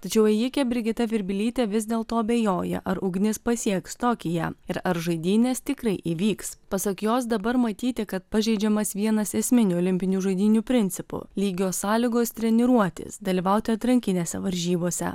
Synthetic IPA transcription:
t̪ɐt͡ʃʲɛʊɛjɪkʲɛbʲɾʲɪɡʲɪt̪ɐʋʲɪɾʲbʲɪlʲiːt̪ʲeʋʲɪzd̪ʲeːlˠt̪oːɐbʲeːjoːjɛ̰ʔɐɾʊɡnʲɪspɐsʲiɛkst̪oːkʲɪjɛ̰ɪɾɐɾʒɐɪd̪ʲiːnʲeːst̪ʲɪkɾɐɪʔiʋʲiːkspɐsɐkjoːs̬d̪ɐbɐɾmɐt̪ʲiːt̪ʲɪkɐt̪̚pɐʒʲɛɪd͡ʒʲɛmɐsʋʲiɛnɐsɛsʲmʲɪnʲuːlʲɪmʲpʲɪnʲuːʒɐɪd̪ʲiːnʲuːpʲɾʲɪnʲt̪sʲɪpʊ̰lʲiːɡʲoːsɑːlʲiɡoːst̪ʲɾʲɛnʲɪɾuɔt̪ʲɪ̰sd̪ɐlʲiːʋɐʊt̪ʲɪɐt̪ɾɐŋʲkʲɪnʲeːsʲɛʋɐɾʲʒʲiːboːsʲɛ̰

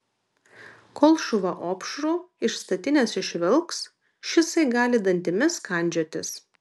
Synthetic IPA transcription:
koːlˠʃʊʋɐʔoːpʃɾoːɪʃst̪ɐt̪ʲɪnʲɛsɪʃʲʋʲɪlˠks | ʃʲɪsɐɪɡɑːlʲɪd̪ɐnʲt̪ʲɪmʲɪskɐˑnʲd͡ʒʲoːt̪ʲɪs

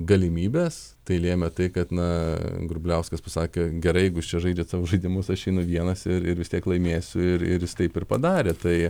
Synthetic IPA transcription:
ɡɐlʲɪmʲiːbʲes | t̪ɐɪlʲeːmʲɛt̪ɐɪkɐt̪nɐɡɾʊbʲlʲɛʊskɐspɐsɑːkʲeɡʲɛɾɐɪjɛɪɡʊst͡ʃʲɛʒɐɪd͡ʒʲɛt̪sɑːʋoʒɐɪd̪ʲɪmʊsɐʃʲɛɪnʊʋʲiɛnɐsɪɾɪɾʋʲɪst̪ʲiɛklˠɐɪmʲeːsʲʊɪɾɪ̰jɪst̪ɐɪpɪɾpɐd̪ɑːɾʲeːt̪ɐɪ

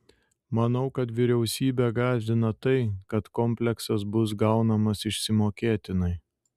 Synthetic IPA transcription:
mɐnɐʊkɐt̪ʋʲɪɾʲɛʊsʲiːbʲɛɡɑːzʲd̪ʲɪnɐt̪ɐɪkɐt̪kɔmʲpʲlʲɛksɐsbʊs̬ɡɐʊnɐmɐsɪʃʲsʲɪmoːkʲeːt̪ʲɪnɐɪ

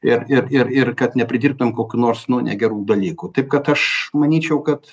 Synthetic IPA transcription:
ɪrɪrɪɾɪrkɐt̪nʲɛpʲɾʲɪd̪ʲiːrb̚t̪oɪmkoːkʲuːnoːɾsnʊnʲɛ̰ɡʲɛɾuːd̪ɐlʲiːkut̪ɐɪp̚kɐt̪ɐʃmɐnʲiːt͡ʃʲɛʊkɐt̪

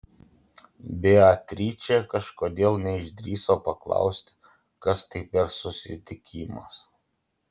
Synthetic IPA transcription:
bʲeːɐt̪ʲɾʲiːt͡ʃʲekɐʃkoːd̪ʲeːlˠnʲɛɪʒʲd̪ʲɾʲiːsoːpɐklˠɑ̰ˑʊsʲt̪ʲɪ̥ | kɐst̪ɐɪpʲɛɾsʊsʲɪ̰t̪ʲɪkʲiːmɐ̰s

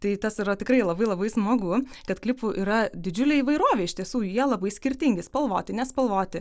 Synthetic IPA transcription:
t̪ɐɪt̪ɐsɪɾɐt̪ʲɪkɾɐɪlˠɐbɐɪlˠɐbɐɪsmoːɡʊ | kɐt̪klʲɪpʊʔiːɾɐd̪ʲɪd͡ʒʲʊlʲeːiːʋɐɪɾoːʋʲɛːɪʃt̪ʲiɛsuːjiɛlˠɐbɐɪsʲkʲɪɾʲt̪ʲɪŋʲɡʲɪspɐlˠʋoːt̪ʲɪnʲɛspɐlˠʋoːt̪ʲɪ

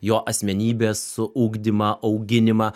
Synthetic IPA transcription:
joːʔɐsʲmʲɛnʲiːbʲeːsːʊʔuːɡd̪ʲɪmɐʔɐʊɡʲɪnʲɪmɐ

